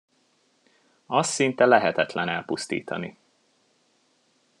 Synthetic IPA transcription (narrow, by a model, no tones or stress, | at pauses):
ɒst̪sːint̪ɛlɛɦɛt̪ɛt̪lɛnɛlpust̪ḭːt̪ʰɒ̰ni